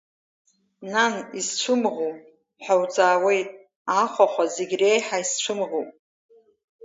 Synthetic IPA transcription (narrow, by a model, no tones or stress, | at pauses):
nanizt͡ʃʷʰʊmʁopʼ | ħawt͡sʼaːwe̞jtʼ | aχʷaχʷazeɡʲrejħaist͡ʃʷʰʊmʁopʼ